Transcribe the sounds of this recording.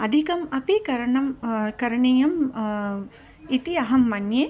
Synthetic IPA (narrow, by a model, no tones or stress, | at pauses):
ɐd̪ʱikɐmɐpikɐɾɐɳɐmkɐɾɐɳijɐm | it̪iɐɦɐmːɐnje